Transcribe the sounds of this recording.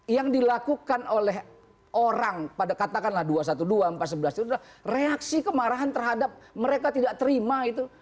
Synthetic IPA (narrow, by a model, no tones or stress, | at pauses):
jaŋdilakukanolɛɦ | ʔoɾaŋpadakat̪akanlahduas̬at̪uduaəmpat̪̚səbəlast̪it̪udlahreaksikəmaɾaɦant̪ərɦadap̚məɾekat̪idaʔt̪əɾimait̪u